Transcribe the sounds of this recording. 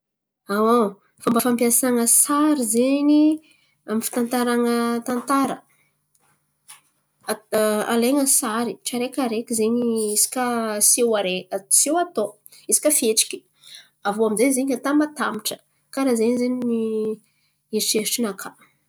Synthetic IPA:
ao | fambəfampiasaŋəsaɾizeɲi | amifi̥t̪ant̪aɾaŋət̪ant̪aɾə | a̰leŋəsaɾiʈ͡ʂaɾekʲaɾekʲizeɲiiisi̥kʲəsewaɾet͡sewat̪o | isi̥kʲəfieʈ͡ʂi̥kʲi̥ | avoamizezeɲat̪amat̪amiʈ͡ʂə̥ | kaɾazeɲizeɲini | iʈ͡ʂeʈ͡ʂinakʰa

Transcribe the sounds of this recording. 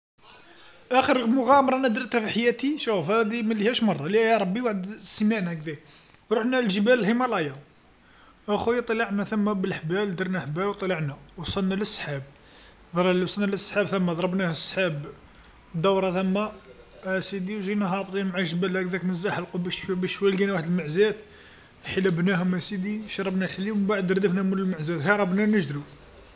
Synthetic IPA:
ʔæxəɾmʊɣæmɾˤɑnæd̪ɾt̪æfiħjæt̪iʃufæd̪iməlːihæʃmɑrˤːɑliæjæɾˤɑbːiwaħəd̪səmæʕnæk̚d̪æk | wɾˤuħnælʒəbællhimælɑjɑ | ʔæxujt̪ˤlɑʕnæθəmːæbəlħbæld̪əɾˤnæħbælwt̪ˤləʕnæwɑsˤɑlnːæləsːħab̚ | d̪ˤɾˤlwsˤɑnæləsˤːħabθəmːæd̪ˤɾˤɑbnæhəsˤːħab | d̪ɑwɾˤɑθəmːæ | æsid̪iwʒinæɦɑb̚t̪ˤinmʕaʒəbælhækd̪æknəzːæħəlqubæʃbæʃːwæjlɡænwaħəd̪əlməʕzæt̪ | ħələbnæɦʊmæsid̪iʃɑɾˤɑbnælħlːibaʕəd̪ɾd̪əfnæmuləlməʕzæt̪ɦæɾˤɑbnænəʒd̪ɾu

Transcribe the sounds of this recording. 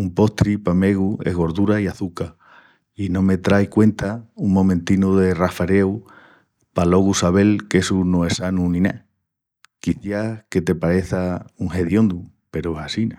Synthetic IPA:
umpo̞ht̪ɾipame̞ɣuḛɦɣo̞ɾðuɾaiaθuka | inõ̞me̞t̪ɾajkwe̞nt̪auŋmõ̞mẽnt̪inuðe̞rafaɾew | palo̞ɣusaβ̞e̞lke̞sunoesanunĩna̰ | kiθjake̞t̪e̞paɾe̞θauŋhe̞ðjo̞nd̪u | pe̞ɾohasina

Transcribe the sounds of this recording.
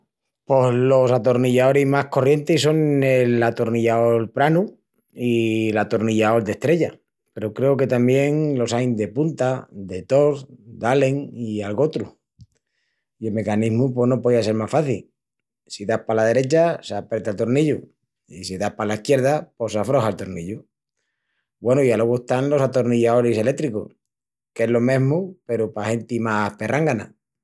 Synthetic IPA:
po̞zlo̞sat̪oɾniʎao̞ɾimako̞rje̞nt̪iso̞ŋelat̪oɾniʎaolpɾanu | ilat̪oɾniʝao̞ld̪e̞st̪ɾe̞ʝa | pe̞ɾokɾe̞oke̞t̪ambje̞ŋlo̞sajnd̪e̞punt̪ad̪e̞t̪o̞ɾd̪ale̞ŋialɣo̞t̪ɾu | ielme̞kaniɦmup̬wo̞hnopoðiase̞ɾmasfaθil | siðahpalað̞e̞ɾe̞t͡ʃasapɾet̪alt̪o̞ɾniʎu | isiðahpalaihkje̞ɾð̞apo̞safɾo̞haelt̪o̞ɾniʎu | bwe̞noialoɣuehst̪anlo̞sat̪oɾniʎaoɾise̞le̞kt̪ɾiko̰s | ke̞zlo̞mẽ̞ɦmupe̞ɾopahe̞nt̪imahpe̞rʔaŋɡana̰

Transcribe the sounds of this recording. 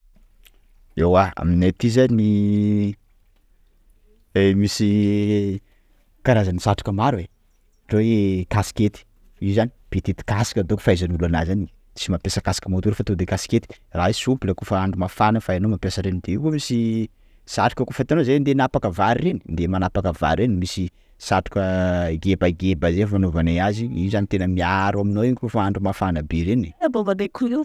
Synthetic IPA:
ewaa̰minet̪izani | emisi | kaɾazanisaʈ͡ʂi̥kəmaɾuwe | ʈ͡ʂokasi̥ket̪i̥ | izani̥b̥et̪et̪i̥kasi̥kʲəd̪oku̥fajzanulanazani | simapesəkasi̥kʲəmot̪uɾefat̪od̪ekasi̥ket̪i̥ | raɦisumpiləkufəaɳɖ͡ʐumafanəfaenomapjasəɾenid̪eikomisi | saʈ͡ʂu̥kəkufat̪eanozend̪enapakəvaɾreni̥nd̪emanapakəva̰ɾɾenimisi | saʈ͡ʂu̥kəɡebaɡebazefmanovaneaziizanit̪enəmiaɾaminoiɲkufəaɳɖ͡ʐumafanəbeɾeniabovad̪ekʰui

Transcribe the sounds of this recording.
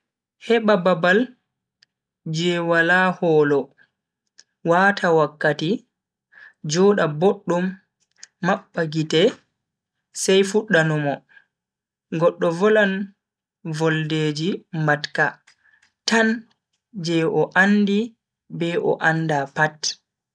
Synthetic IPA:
hɛɓababal | d͡ʒɛwalahɔːlɔ | watʰawakːati | d͡ʒɔɗaboɗːumː | aɓːaɡitɛ | sajfuɗːanumɔ | ɡɔɗːɔvɔlan | vɔlded͡ʒimatka | tan | d͡ʒɛʔɔʔandi | bɛʔɔ̰ʔandapat

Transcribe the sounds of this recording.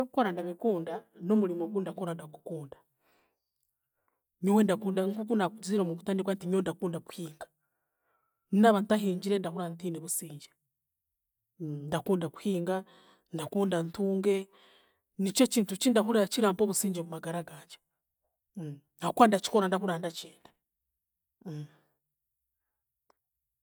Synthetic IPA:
okukoɾandaβikuːndano̞muɾimoɡundakoɾandaku̥kuːndḁ | ɲowendakuːndaŋkukunakuziɾomuβutaːndikwantimondakuːndaku̥hiːŋɡḁ | ninaβantaɦiːɲɟiɾendahuɾantiniβusiːɲɟe̥ | ndakuːndaku̥hiːŋɡa | ndakuːndantuːŋɡe̞ | nit͡ʃociːntut͡ʃindaɦuɾat͡ʃiɾaːmpoβusiːɲd͡ʒemumaɡaɾaɡaːd͡ʒe̥ | akwandat͡ʃi̥koɾandahuɾaːndat͡ʃeːndḁ

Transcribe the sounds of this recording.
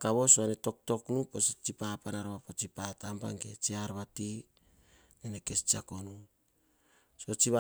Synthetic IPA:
kaβo̞soaneto̞k̚to̞knupost͡ʃipapanaɾaβapot͡ʃipatampa̰ŋɡe̞t͡ʃiaɾβati | neneke̞st͡ʃiako̞nu | so̞t͡ʃiβa

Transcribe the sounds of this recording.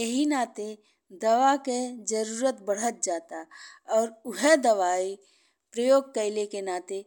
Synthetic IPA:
jeɦinaːt̪e | d̪ɐʋaked͡ʒɐɾuːɾət̪bəɽ̤ət̪̚d͡ʒaːt̪aɔːɾʊɦed̪ɐʋaːi | pɾəjoːɡ̚kəɪlekenaːt̪e

